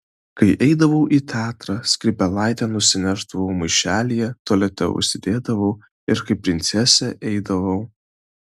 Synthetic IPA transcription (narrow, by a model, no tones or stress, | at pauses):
kɐɪʔɛɪd̪ɐʋɐʊʔiːt̪ʲæːt̪ɾɑsʲkʲɾʲɪpʲɛlˠɑɪt̪ʲɛnʊsʲɪnʲɛɾt̪ɐʋoʊmɐɪʃʲæːlʲijɛt̪oɔːlʲɛt̪ʲɛ̰ʊ̰ʃʲsʲɪd̪ʲeːd̪ɐʋɐʊ | ɪɾkɐɪpʲɾʲɪnʲt̪sʲɛsʲɛʔɛɪd̪ɐʋɐʊ